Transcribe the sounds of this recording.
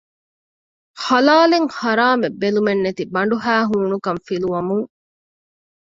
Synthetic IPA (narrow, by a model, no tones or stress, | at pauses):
hɐlaːleŋhɐɾaːmebːelumenːet̪ibɐɳɖuɦæːɦuːnukɐɱfiluʋɐmuŋ